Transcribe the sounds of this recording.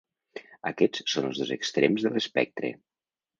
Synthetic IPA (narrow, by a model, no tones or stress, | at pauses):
əkɛt͡ssonəlˠzðozəkst̪ɾemzðələspɛk̚t̪ɾḛ